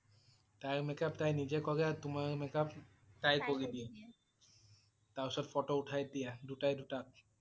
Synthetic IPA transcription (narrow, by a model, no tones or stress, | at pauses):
t̪ajmekap̚t̪ajnid͡ʒekɔɾeat̪umamekap̚ | t̪ajkoɾid̪i | t̪asɔt̪fʰɔʈouʈʰajd̪ijad̪uʈajd̪uʈap̚